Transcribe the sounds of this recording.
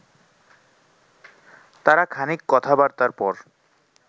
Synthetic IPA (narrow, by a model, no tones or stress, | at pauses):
t̪aɾakʰanikːɔt̪ʰabaɾt̪aɾpɔɾ